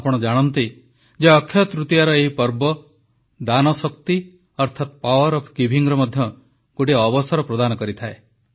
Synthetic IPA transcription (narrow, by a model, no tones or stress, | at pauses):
pɔɽ̃ɔd͡ʒaɽ̃ɔnt̪i | d͡ʒeɔkʰːjɔt̪ɾut̪ijaɾɔeɦipɔɾbɔ | d̪anɔsɔkt̪i | ɔɾt̪ʰat̪̚pawɔɾɔpʰkibʱiŋɾɔmɔd̪ʱjɔ | koʈiɔbɔsɔɾɔpɾɔd̪anɔkɔɾit̪ʰae